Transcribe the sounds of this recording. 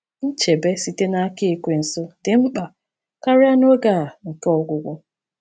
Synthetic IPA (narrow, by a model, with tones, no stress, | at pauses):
n̩˦t͡ʃe˨be˦si˨te˦na˦ke˦˨kʷe˨n̩˨sʊ˦dɪ˨m̩˦k͡pa˨ | ka˦ɾɪ˦a˦no˦ɡa˦˨a˨ŋ̩˨kɔ˨ɡʷʊ˨ɡʷʊ˦